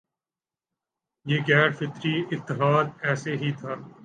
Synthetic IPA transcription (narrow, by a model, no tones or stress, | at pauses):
jeːɡɛːɖfɪt̪ɾiɪt̪ːɪɦaːd̪ɛːseɦit̪ʰaː